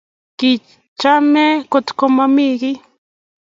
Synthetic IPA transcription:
ki | t͡ʃamekot̪komamiki

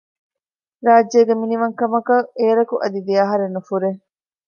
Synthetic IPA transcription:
ɾaːd͡ʒeːɡeminiʋɐŋkɐmɐkɐʔeːɾɐkuʔɐd̪id̪iɐɦɐɾenːufuɾe

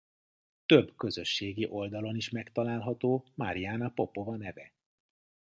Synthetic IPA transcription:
t̪ø̞bkø̞zøʃːeːɡiʔo̞ld̪ɒlo̞niʃmɛkt̪ɒlaːlɦɒt̪oːmaɾijaːnɒpo̞po̞vɒnɛvɛ

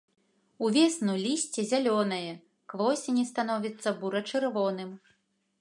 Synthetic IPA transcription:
uvʲɛsnulʲisʲt͡sʲɛzʲalʲɔnɐjɛ | kvɔsʲinʲist̪an̪ɔvʲit̪sːɐbuɾɐt͡ʂɨrvɔnɨm

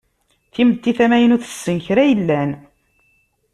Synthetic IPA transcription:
θimət̪ːiθæmæjənuθə̥sːənçɾæjəlːæn

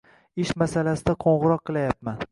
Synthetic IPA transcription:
ɪʃmasalasɪd̪aqʰoɴʁɨɾɒqːɨlˠajapman

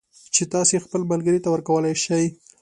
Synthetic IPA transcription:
t͡ʃet̪ɑsexpəlmalɡəɾit̪awəɾkawəlajʃaj

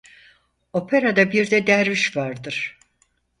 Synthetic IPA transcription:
o̞pʰeɾad̪abiɾd̪ɛd̪æɾviʃvaɾd̪ɯɾ̥

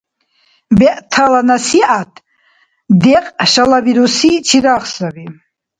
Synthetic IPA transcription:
bɛʔt̪ʰalanasiʔat̪ʰ | d̪ɛqʼʃalabiɾusit͡ʃʰiɾaχsabi

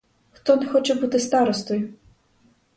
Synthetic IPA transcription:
xt̪ɔnɛxɔt͡ʃɛbut̪ɪst̪ɑɾɔst̪ɔjʊ

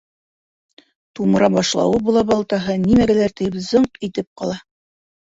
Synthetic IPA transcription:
t̪umɤ̆ɾɑbɑʃlˠɑ̰wɤbulˠɑbɑlˠt̪ɑɦɤnimæɡælæɾt̪ɘjbzɤɴqit̪ɘp̚qɑlˠɑ

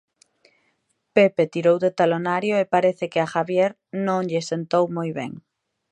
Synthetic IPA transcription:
pepet̪iɾowðet̪alonaɾjoepaɾeθekeaxaβjeɾ | nõŋʎesent̪owmojβḛŋ

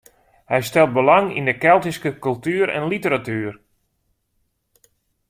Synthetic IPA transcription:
hɛjstɛlˠt̚bəlaŋḭndəkɛlˠtiskəkɵlˠtyːɾɛ̰nlitəɾatyər

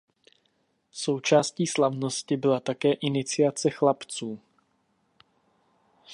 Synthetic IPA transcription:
so̞wt͡ʃaːsciːslavno̞scɪbɪlat̪akɛːʔɪnɪt͡sɪjat͡sɛxlapt͡suː

